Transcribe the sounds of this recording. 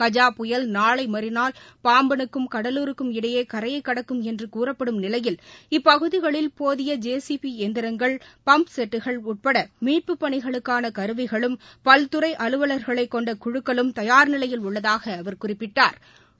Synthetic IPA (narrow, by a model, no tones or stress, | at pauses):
kɐd͡ʒaːpʊjɐlnaːɭɐɪmɐɾɪnaːlpaːmbɐnɯkːɯmkɐɽɐluːɾɯkːɯmɪɽɐjeːkɐɾɐjɐɪkːɐɽɐkːɯmɛndrɯkuːrɐpːɐɽɯmnɪlɐjɪlɪpːɐɣɯðɪɣɐɭɪlpoːðɪjɐd͡ʒeːsipiɛnd̪ɪɾɐŋɡɐɭpɐmpsɛʈːɯɣɐɭʊʈ̚pɐɽɐmiːʈ̚pɯpːɐɳɪɣɐɭɯkːaːnɐkɐɾɯʋɪɣɐɭɯmpɐlt̪ɯɾɐɪʔɐlɯʋɐlɐɾɣɐɭɐɪkːɔɳɖɐkʊɻɯkːɐɭɯmt̪ɐjaːɾnɪlɐjɪlʊɭːɐðaːɣɐːʋɐɾkʊrɪpːɪʈːaːɾ